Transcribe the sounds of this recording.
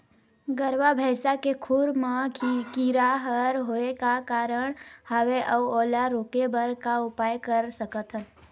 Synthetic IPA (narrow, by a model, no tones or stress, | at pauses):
ɡəɾwabʱɛːsakekʰʊɾmãkiɾaɦəɾɦoekakaːɾəɽ̃həʋeʔəʋɔːlaɾoːkebəɾkaʊpaːjkəɾsəkət̪ɦən